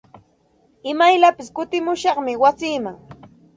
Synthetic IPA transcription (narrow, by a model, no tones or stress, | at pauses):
ɪmajlapɪskʊt̪ɪmʊʃɑχmɪwasiːmaŋ